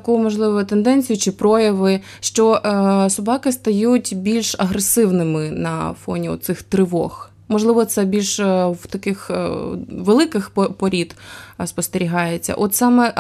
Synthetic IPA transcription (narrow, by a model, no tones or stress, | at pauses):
kuʊmɔʒlˠɪʋɔʊt̪end̪ɛnʲt͡sʲijʊt͡ʃɪpɾɔjɐʋɪ | ʃt͡ʃɔsʊbɑkɪst̪ɐjutʲbʲilʲʃɐɦɾesɪwnɪmɪnɐ̰fɔ̰nʲiɔ̰t̪̚sɪxt̪ɾɪʋɔ̰x | mɔʒlˠɪʋɔt̪sɛbʲilʲʃwt̪ɐkɪx | ʋelˠɪkɪxpɔɾʲid̪spɔst̪eɾʲiɦɑjet͡sʲːɐ̰ʔɔt̪sɑmɛ